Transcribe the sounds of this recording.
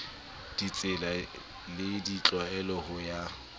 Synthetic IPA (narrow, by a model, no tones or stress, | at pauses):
d̥it͡sʼɪla | lɪdit͡ɬʼwaɛlɔhʊja